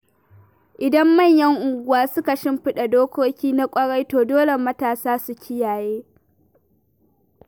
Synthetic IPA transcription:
ʔɪ˨dɐ˦mːɐ˦˨ɲjɐ˦ŋʔʊ˨ŋɡʷʊ˦waː˦sʊ˦ka˨ʃɪ˦mɸɪ˦ɗa˨doː˦kʷoː˦kʲiː˦na˦kʷʼɐ˦ɽa˦jtoː˨doː˦le˨mɐ˦taː˨saː˦su˨kʲʰɪ˦jaː˨jeː˦

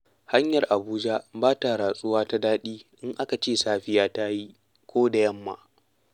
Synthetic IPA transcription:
ha˦ɲjɐ˨rʔa˨buː˦d͡ʒa˦baː˦ta˨ɾaː˨sʼʊ˦waː˦ta˦daː˦ɗiː˦ʔɪ˦ŋʔa˦ka˨t͡ʃeː˦˨saː˦ɸɪ˦jaː˦ta˦ji˦ | kʷoː˦da˨jɐ˦mːa̰˦˨

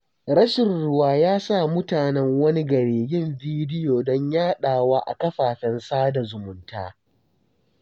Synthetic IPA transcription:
ɾɐ˦ʃɪ˨nɽʊ˦waː˦jaː˦sa˦˨mʊ˦taː˨nɛ˦ŋwɐ˦ni˦ɡɐ˨ɽeː˨jɪ˦˨mbiː˦dɪ˦joː˨dɔ˦ɲjaː˦ɗaː˨waː˦ʔa̰˨kɐ˦ɸaː˨ɸɛ˨nsaː˦da˨zʊ˨mʊ˦nta̰ː˦

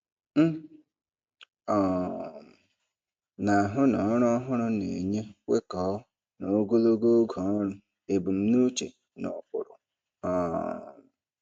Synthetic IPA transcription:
m̩˦ | ɔ˨ | na˨a˨ɦʊ˦nɔ˨˦ɾɔ˦ɦʊ˦ɾʊ˦nḛ˨ɲe˦we˦kɔ˨˦ | no˨o˦ɡo˦lo˦ɡo˦ɡɔ˨˦ɾʊ˦ | e˨bu˨m̩˦nu˦t͡ʃe˨ | nɔ̰˨pʊ̰˨ɾʊ̰˨ | ɔ˨

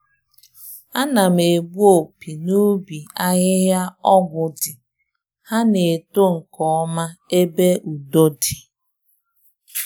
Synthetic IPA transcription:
a˦na˨m̩e˨bu˦o˨pi˨nu˦bi˨a˦ɲɪ˦ɦja˦ɔ˦ɡʷʊ˨dɪ˨ | ha˦ne˨to˦ŋ̩˨kɔ˦ɔ˦ma˦e˦be˦ʔu˨do˦di˨

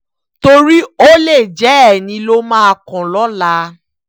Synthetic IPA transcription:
to˧ɾi˦o˦le˦˨d͡ʒɛ˨˦ɛ˦˨nĩ˧lo˦mãː˦a˧˨kɔ̃˨lɔ˨˦la˧˦

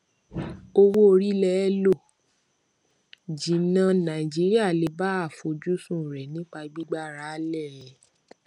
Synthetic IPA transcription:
o˧wo˦o˧ɾi˦lɛ˦lo˦˨ | d͡ʒĩ˨nã˧nã˨i˨d͡ʒi˨˦ɾi˦a˦˨le˨˧˦ba˦a˦˨fo˧˦d͡ʒu˦sũ˦˨ɾɛ˨nĩ˦k͡pa˧ɡ͡bi˦ɡ͡ba˦ɾa˨˦lɛ˦˨˦

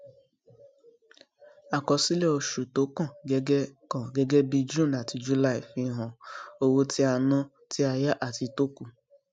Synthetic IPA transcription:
a˨kɔ˨si˦le˦o˨ʃu˨to˨˦kɔ̃˦˨ɡe˦ɡe˦kɔ̃˨ɡe˦ɡe˦bi˧d͡ʒũ˦˨na˨ti˨d͡ʒu˦la˦i˨fi˦ɦɔ̃˨o˦wo˦ti˦a˨nɔ̃˦ | ti˦a˧ja˦ʔa˨ti˧to˦ku˨

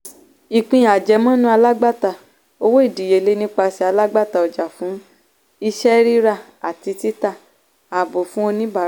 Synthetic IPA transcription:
i˨k͡pĩ˧˨j̃a˨d͡ʒɛ˨˧mɔ̃˦nũ˦a˧la˦ɡ͡ba˦˨ta˧˨ | o˧wo˦i˦˨di˨je˨˧˨le˦nĩ˦k͡pa˧si˧a˧la˦ɡ͡ba˦˨ta˧ɔ˨d͡ʒa˨fũ˨˦ | i˧ʃɛ˦ɾi˦ɾa˦˨ | a˨ti˧ti˦ta˦˨ | a˨bo˨fũ˦o˧nĩ˦ba˦˨˦

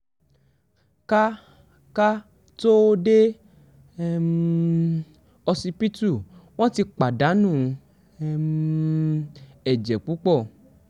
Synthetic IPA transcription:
ka˦ | ka˦ | to˦de˦ | m | ɔ˧si˧pi˦tu˦˨w̃ɔ̃˦ti˧k͡pa˨da˨˦nũ˦˨˦ | m | ɛ˨d͡ʒɛ˨k͡pu˨˦k͡pɔ˦˨

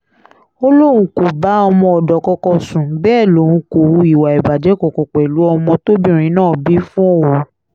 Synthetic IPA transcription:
o˦lo˦˨ɾ̃ũ˧ko˨ba˨˦ɔ˧mɔ̃˧ɔ˨dɔ˨kɔ˧kɔ˧sũ˨bɛː˦˨lo˨˦ɾũ˧ko˨wũ˨˦i˨wa˨i˨ba˨d͡ʒɛ˨˦kɔ˨kɔ˨k͡pɛ˨lu˨˦ɔ˧mɔ̃˧to˦bĩ˦˨ɾ̃ĩ˨˦nãː˦˨bi˨˦fũ˦ɔ˦˨wo˨

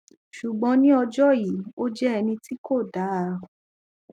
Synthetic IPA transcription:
ʃu˨ɡ͡bɔ̃˨˧˦nĩ˦ɔ˧d͡ʒɔ˦ji˨˦o˦d͡ʒɛ˦ɛ˧nĩ˧ti˦ko˦˨da˨˦˨

